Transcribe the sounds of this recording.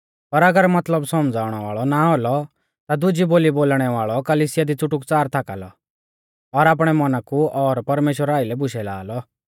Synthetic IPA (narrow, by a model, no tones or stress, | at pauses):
pɐɾɐɡəɾmɐt̪ləbsɔmd͡zaːʊɽ̃ɔʋa̰ːɭɔnaɦolɔ | t̪ad̪ʊd͡ʒiboːliboːlɽ̃ɛʋaːɭɔkɐliːsɪjad̪it͡sʊʈʊkt͡saːɾt̪ʰaːka̰lɔ̰ | ɔɾaːp̬ɽ̃ɛmɔnakuɔɾpɐɾmeːʃwəɾaːɪlɛbʊʃɛla̰ːlɔ